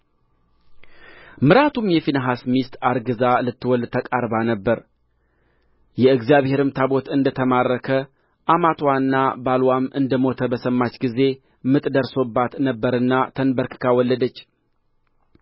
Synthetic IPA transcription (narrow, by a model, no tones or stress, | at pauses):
mɨɾat̪ʰumjɛfinəɦasmist̪aɾɡɨzalɨt̪ːɨwɔlt̪ʰəkʼaɾbanəbːəɾ | jɛɨɡzijaβhe̞ɾɨmt̪ʰabo̞t̪ɨnd̪ət̪ʰəmarːəkʰə | ʔamat̪ʰwanːabalwamʔɨnd̪əmo̞t̪ʰəbəsəmːat͡ʃːɡize̞ | mɨt̪ʼd̪əɾso̞bːat̪nəbːəɾɨnːat̪ʰənbəɾkʰɨ̥kʰawɔlːəd̪ət͡ʃː